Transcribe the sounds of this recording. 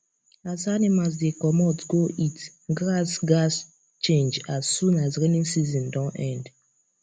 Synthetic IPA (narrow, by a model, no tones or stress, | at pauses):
azanimas̬dekɔmɔsɡoʔit | ɡɹasɡas | t͡ʃẽnd͡ʒazːũnazɾɛnĩŋsizɔ̃ndãnɛ̃nd